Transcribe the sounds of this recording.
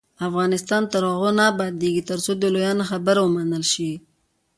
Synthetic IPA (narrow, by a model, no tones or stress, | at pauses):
afɣɑnɪst̪ɑnt̪aɾoɣonabɑd̪eɡit̪əɾsod̪əlojɑnaxabəɾawəmanəlʃi